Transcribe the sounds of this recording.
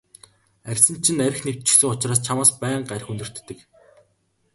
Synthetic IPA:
ærʲsɘ̆nt͡ɕʰinæɾʲɘ̆xnew̥t͡ɕɪ̥̆sɘ̆ŋʊt͡ɕraːs̬t͡ɕʰamaːspæːɴɢæɾʲxunɵ̆r̥t̪ːɘ̆k

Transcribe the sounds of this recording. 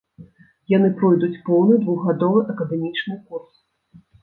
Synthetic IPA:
janɨpɾɔjd̪ut͡sʲpɔwnɨd̪vuɣɣad̪ɔvɨʔɐkɐd̪ɛmʲit͡ʂnɨkurs

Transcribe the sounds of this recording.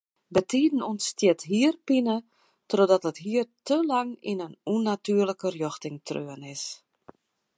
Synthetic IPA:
bətʰiːdn̩unstjɛtɦiːərpinə | trodɔtətɦiːərtʰəlaŋḭnənunatyːərləkərjɔxtɪŋtʰrøənɪs

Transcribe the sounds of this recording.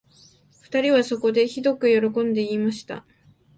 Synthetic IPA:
ɸɯ̟̥t̪aɾʲiβaso̞ko̞d̪e̞çid̪o̞kɯ̟jo̞ɾo̞kõ̞nd̪e̞iːmaɕi̥t̪a̰

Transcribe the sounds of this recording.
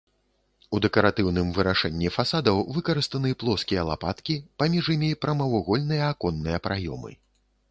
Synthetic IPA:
ud̪ɛkɐɾat̪ɨwn̪ɨmvɨɾaʂɛnʲːifasad̪ɐwvɨkɐɾɨst̪ɐnɨplˠɔskʲijɐlˠapat̪kʲipamʲiʐimʲipɾɐmɐwɔɣɔlʲnɨjɐakɔnːɨjɐpɾajɔ̰mɨ̰

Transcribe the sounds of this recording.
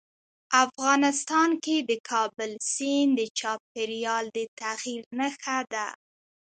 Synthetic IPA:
afɣɑnɪst̪ɑnked̪əkʰɑbəlsind̪ət͡ʃɑp̚eɾijɑld̪ət̪aɣiɾnəxad̪a

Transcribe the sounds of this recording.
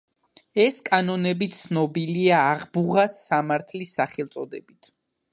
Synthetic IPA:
ɛskʼanɔnɛbit̪sʰnɔbiliaːʁbuʁasːamaɾt̪ʰlisːaχɛlˠt̪sʼɔd̪ɛbit̪ʰ

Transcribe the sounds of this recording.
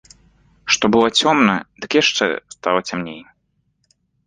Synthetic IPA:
ʂt̪ɔbɨlˠɔt͡sʲɔmnɐ̰d̪̥ɨkjaʂt͡ʂɛ̰st̪alˠɐt͡sʲamnʲej

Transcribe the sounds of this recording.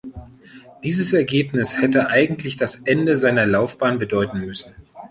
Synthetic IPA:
d̥iːzəsɛɐɡeːpnɪshɛtəʔaɪɡŋ̩tʰlɪçd̥asʔɛndəzaɪnɐlaʊfb̥aːnbədɔʏtn̩mʏsn̩

